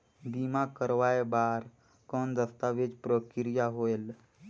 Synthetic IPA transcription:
b̪imakəɾʋajbaɾ | kɔnd̪əst̪aʋed͡ʒpɾəkiɾijaɦoel

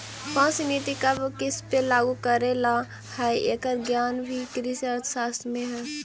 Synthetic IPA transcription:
pãːt͡ʃnit̪ikabokɪspelaːɡukəɾela | hɛiʔeːkəɾɡjaːnbʱikɾisəɾt̪saːsmẽɦɛː

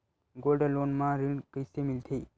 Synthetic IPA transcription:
ɡolɖəlonmãɾiŋkəɪsemilt̪ʰe

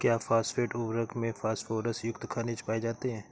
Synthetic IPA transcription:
kjaːfʰaːsfeːʈʊʋɾəkmẽfaːsʈfoːɾəsjʊkt̪kʰaːnet͡ʃpaːed͡ʒaːt̪eɦɛ̃ː

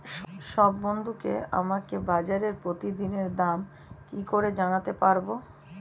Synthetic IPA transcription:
ʃɔbːond̪ʱukea̰makebad͡ʑaɾeɾpɾot̪id̪ineɾd̪am | kikoɾed͡ʑanat̪epaɾbo

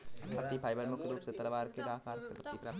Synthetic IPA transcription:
ɐt̪ipʰaːjbəɾmʊkʰɾuːpset̪ɐɾʋaːɾked̪aːkaːɾkəpɐt̪ːipɾaː

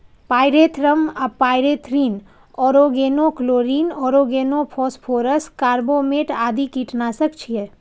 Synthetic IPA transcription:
paːɪɾeːt̪ʰɾəmɐpːaːɪɾeːt̪ʰɾiːn | ɔːɾoːɡeːnokloːɾiːnɔːɾoːɡeːnopʰɔːspʰoːɾəskaːɾboːmeːʈaːd̪ikiːʈnaːsəkt͡ʃʰije

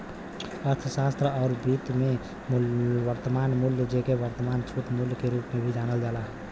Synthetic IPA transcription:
əɾt̪ʰəsaːst̪ɾəɔːɾbiːt̪me | ʋəɾt̪əmaːnmuljəd͡ʒekeʋəɾt̪əmaːnt͡ʃʰuʈmuljkeɾuːpmẽbʱid͡ʒaːnəld͡ʒaːla

